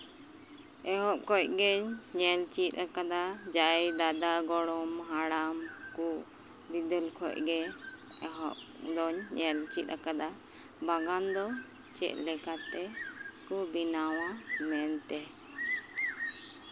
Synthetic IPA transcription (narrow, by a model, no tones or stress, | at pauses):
ɛɦɔʔ̚kɔc̚ɡɛɲɲɛlt͡ʃit̪̚ˀakad̪ad͡ʒajd̪ad̪aɡɔɽɔmɦaɽamku | bid̪əlkʰɔ̰ʔ̚ɡɛ | ɛɦɔ̰ʔ | d̪ɔɲɲɛlt͡ʃit̪̚ɾakad̪a | baɡand̪ɔ | t͡ʃɛ̰ʔ̪̚ˀlɛkat̪ɛkubinawamɛnt̪ɛ